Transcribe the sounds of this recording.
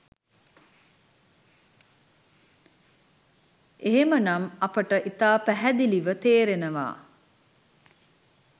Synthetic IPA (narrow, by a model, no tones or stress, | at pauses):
eɦemənamɐpəʈəʔit̪aːpæɦæd̪iliʋət̪eːɾenəʋa̰ː